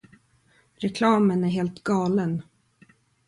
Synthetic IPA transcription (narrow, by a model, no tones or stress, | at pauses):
ɾɛkʰlɑːmənæɾɦeːlt̪ɡɑːlən